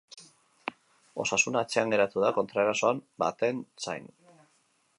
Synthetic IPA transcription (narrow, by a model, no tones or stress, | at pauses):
o̞sasunaːt͡se̞aŋɡe̞ɾat̪uðako̞nt̪ɾaeɾaso̞amba̰t̪e̞nsa̰jn